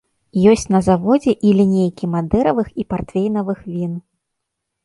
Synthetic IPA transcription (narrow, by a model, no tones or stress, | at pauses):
jɔsʲt͡sʲnɐzavɔd͡zʲɛʔilʲinʲejkʲimad̪ɛɾɐvɨxipart̪fʲejnɐvɨxvʲin